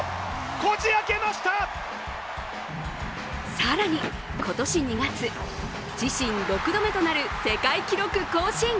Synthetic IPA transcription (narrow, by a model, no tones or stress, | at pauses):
kot͡ɕiake̞maɕi̥t̪a | saɾaɲ̟i | ko̞t̪o̞ɕiɲ̟iɡat͡sɨ | d͡ʑiɕĩnɾo̞kɯ̟d̪o̞me̞t̪o̞naɾɯ̟se̞kaikʲiɾo̞kɯ̟ko̞ːɕĩŋ